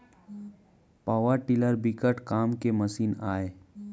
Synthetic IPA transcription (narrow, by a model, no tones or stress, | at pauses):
paːʋəɾʈiləɾbɪkəʈkaːmkemɐsiːnaːeː